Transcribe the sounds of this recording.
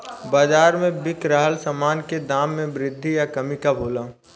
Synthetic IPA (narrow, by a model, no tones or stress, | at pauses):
baːzaːɾmẽbɪkɾaːɦəlsəmaːnked̪aːmːẽbɾɪd̪ʱːijakɐmɪkabʱoːlaː